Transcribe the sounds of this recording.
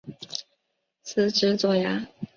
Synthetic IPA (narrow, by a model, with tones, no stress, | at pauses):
t͡s̩ʰ˨˥ʈ͡ʂɻ̩˥t͡swɔ˥˩ja˧˥